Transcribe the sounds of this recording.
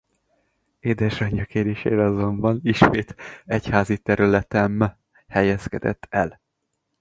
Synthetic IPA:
eːd̪ɛʃɒɲɒkeːɾeːʃḛːɾɛɒzo̞mbɒniʃmeːt̪ɛchaːzit̪ɛɾylɛt̪ɛm | hɛjɛskɛd̪ɛ̰t̪ʰːɛl

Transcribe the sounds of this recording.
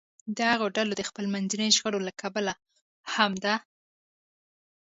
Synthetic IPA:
d̪əhaɣoɖalod̪əxpəlmanzinəjʒɣəɽolakʰabala | hamd̪a

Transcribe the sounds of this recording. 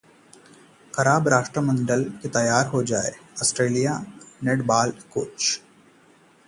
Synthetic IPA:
kɐɾaːbɾaːʃʈɾəmə̃ɳɖəlket̪ɐjaːɾɦod͡ʒaːḛɔsʈɾeːlijaneʈbaːlkoːt͡ʃ

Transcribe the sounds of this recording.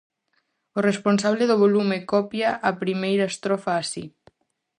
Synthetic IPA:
oresponsaβleðoβ̞olumekɔpjaʔːpɾimejɾast̪ɾɔfaːsḭ

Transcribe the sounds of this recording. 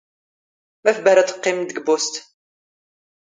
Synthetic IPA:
mæfbæɾat͡s̪ə̥qːɪmd̪əɡbust̪

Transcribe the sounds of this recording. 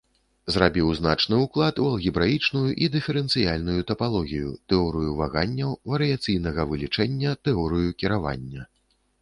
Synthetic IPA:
zrabʲiwzna̰t͡ʂnɨuklˠat̪uɐlˠɣʲibɾajit͡ʂnujuʔid̪ɨfʲɛɾɛnt̪sɨjalʲnujut̪ɐpalˠɔɣʲijṵt̪ɛɔɾɨjuvaɣanʲːɐwvɐɾɨjat̪sɨjnɐɣɐvɨlʲit͡ʂɛnʲːɐt̪ɛɔɾɨjukʲiɾava̰nʲːɐ

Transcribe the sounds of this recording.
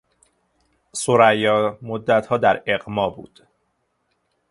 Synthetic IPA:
soɾæjːɒːmod̪ːæt̪ʰhɒːd̪æɾe̞ɢmɒːbṵːd̪̥

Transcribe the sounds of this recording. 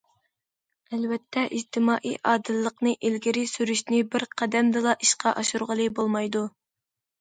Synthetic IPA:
ɛlvɛt̪ʰːɛʔid͡ʒt̪ʰɪmɑːʔḭʔɑːd̪ɨlːəqnɨʔilɡʲɪɾɪsyɾyʃnɪbɪɾqʰæd̪ɛmd̪ɨlˠɑʔiʃqɑʔɑʃuɾʁəlˠɨbolˠmɑjd̪u

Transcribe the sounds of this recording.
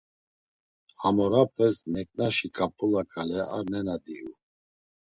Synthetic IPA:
hamɔɾapʰɛsnɛkʼnaʃikʰʼapʰʼulakʰʼalɛa̰ɾnɛnad̪iu

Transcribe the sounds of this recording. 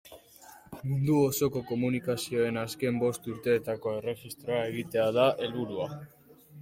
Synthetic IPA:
mund̪uoso̞ko̞ko̞munikasio̞e̞naske̞mbo̞st̪uɾt̪e̞ːt̪ako̞e̞re̞xist̪ɾo̞ae̞ɣ̞it̪e̞aðaʔe̞lβuɾua

